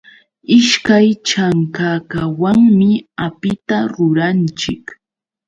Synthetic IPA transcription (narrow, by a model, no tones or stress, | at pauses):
ɪʃkajt͡ʃaŋkakawaŋmɪapɪt̪aɾʊɾant͡ʃɪk